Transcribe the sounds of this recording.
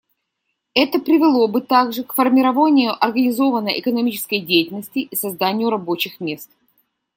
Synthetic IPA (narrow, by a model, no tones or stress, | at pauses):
ɛt̪əpɾʲɪvʲɪlˠo̞bɨt̪aɡʐɨkfərmʲɪɾɐvanʲɪjʊʔɐrɡənʲɪzo̞vənəjɪkənɐmʲit͡ɕɪskəjdʲejtʲɪlnəsʲtʲɪʔisɐzd̪anʲɪjʊɾɐbo̞t͡ɕɪxmʲe̞st̪